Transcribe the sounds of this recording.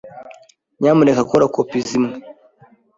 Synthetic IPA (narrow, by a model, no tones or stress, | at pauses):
ɲamuɾekakoɾakopizimŋe